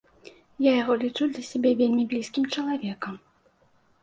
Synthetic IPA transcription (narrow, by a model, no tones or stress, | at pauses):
jajaɣɔlʲit͡ʂud̪lʲɐsʲabʲɛvʲelʲmʲibʲlʲiskʲimt͡ʂɐlˠavʲɛkɐm